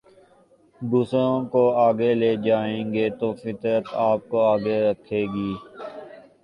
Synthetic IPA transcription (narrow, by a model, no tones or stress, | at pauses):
d̪uːsɾõkoaːɡeleːd͡ʒaːẽːŋɡeːt̪oːfɪt̪ɾət̪aːp̚koaːɡeɾəkʰeːɡiː